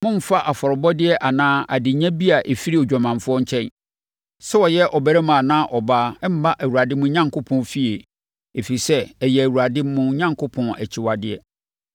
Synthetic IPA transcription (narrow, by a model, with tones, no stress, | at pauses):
mʊ̃˦m̩˦fa˦ʔa˨fɔ˨ɾɔ˨bɔ˦dɪ˦ɛ˦ʔa˨nãː˦a˨dɪ˨ɲæ̃˦bi˦a˨ʔe˨fi˦ɾi˦ɔ˨d͡ʑᶣa˨mã˨nfʊ˦ɔ˦ɲ̩˦t͡ɕʰɛ̃˦n | sɛ˦ɔ˨jɛ˦ʔɔ˨bæ˨ɾɛ˦mã˨nã˦ʔɔ˨baː˦m̩˦ba˦ʔæ˨wu˨ɾa˨dɪ˦mʊ̃˦ɲã˦ŋkʰo˦pʰɔ̃˨˦fi˦e˨ | e˨fi˨i˨sɛ˦ɛ˨jɛ˨æ˨wu˨ɾa˨dɪ˦m˦mʊ̃˦ɲã˦ŋkʰʊ˦pʰɔ̃˨æ˨t͡ɕʰɪ˨wa˨dɪ˨ɛ˨